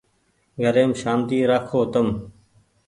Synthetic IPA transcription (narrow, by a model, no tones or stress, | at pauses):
ɡʱəɾeːmʃaːmt̪iːɾaːkʰoːt̪əm